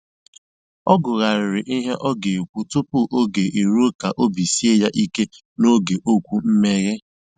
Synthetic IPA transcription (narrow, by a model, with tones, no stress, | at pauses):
ɔ˦ɡʊ˨ɣa˨ɾɪ˨ɾɪ˨ʔi˦ɦe˦ʔɔ˦ɡe˨kʷu˦tʊ˦pʊ˦ʔo˦ɡe˨ʔi˨ɾu˦ka˨ʔo˦bi˨si˦e˦ja˦ʔi˦ke˦ | no˦ɡe˨ʔo˦kʷu˦m̩˦me˦ɣe˦